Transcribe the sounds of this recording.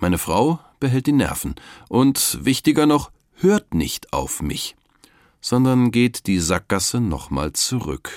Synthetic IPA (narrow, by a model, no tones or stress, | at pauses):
maɪnəfʁ̥aʊ | b̥əɦɛlt̚d̥iːnɛ̰ɐfn̩ʔʊntvɪçtɪɡɐnɔχ | høːɐtnɪ̰çtʔa̰ʊfmɪ̰ç | z̥ɔndɐnɡeːtd̥iːzak̚ɡ̥asənɔ̰χma̰ːlt͡suʁʏ̰k